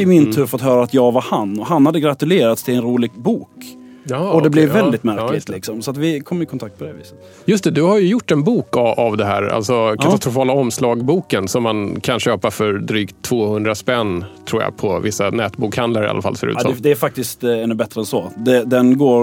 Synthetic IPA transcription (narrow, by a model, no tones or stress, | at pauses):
ɪmɪnt̪ʰʉ̟ːɾfɔt̪ɦœːɾaːt̪jɑːɡvaɾhanɔɦanːhad̪ːəɡɾat̪ɵleːɾat̪st̪ʰɪlɛnɾuːlɪɡbuːk | ɔd̪ɛblɛvːɛld̪ɪt̪mæɾklɪt̪lɪksɔmsɔat̪vɪkʰɔmːjɪkʰɔnt̪ʰakt̪̚pʰɔd̪ɛvḭːsə̥t̪ | jɵst̪ɛd̪ɵhaɾjɵjʊʈːɛnbuːkaavd̪ɛɦæːɾa̰lsɔkʰaast̪ɾʊfɑːlaɔmːslɑːɡbuːkənsɔmːankʰanɕøːpafœɾd̪ɾyːkt̪ʰːv̥oːhɵnd̪ɾaspɛnt̪ʰɾuːɾa̰pʰɔvɪsːanɛːt̪buːkhand̪laɾɪʔa̰lʔa̰fa̰lfœɾʉ̰ːɛd̪ɛæɾfak̚t̪ɪst̪ɛnːɵbɛt̪ːɾəɛnsɔd̪ɛd̪ɛnɡoːɾ